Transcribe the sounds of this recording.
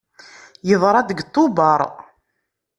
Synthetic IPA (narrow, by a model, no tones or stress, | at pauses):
jəðˤɾˤɑd̪əɡt̪ˤːʊbɑɾˤ